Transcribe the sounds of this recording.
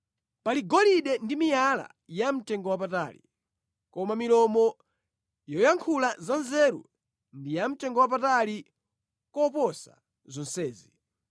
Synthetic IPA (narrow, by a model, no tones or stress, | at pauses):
paliɡɔliɗɛndimijala̰ | jam̩tɛŋɡɔwap̬ata̰lḭ | kɔmamilɔmɔ | jɔjaŋkʰulazanzɛɾṵ | ndijam̩tɛŋɡɔwap̬atali | kɔpɔsa̰ | zɔnsɛːzi